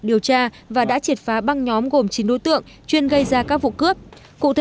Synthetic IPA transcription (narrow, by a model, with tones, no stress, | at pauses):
ɗi˨˩əwt͡ɕaː˧ | vaː˨˩ɗa̰ː˧˥t͡ɕi˨˩ət̚faː˨˦ɓa˧ŋɲɔ˨˦mɣo˨˩mt͡ɕi˨˦nɗo˧˥˦t̪ɨ̰˧˨əŋ | t͡ɕwi˧ənɣə˧jzaː˧kaː˦˥k̚vṵ˧˨kɨ˦˥əp̚ | kṵ˧˨t̪ʰe˨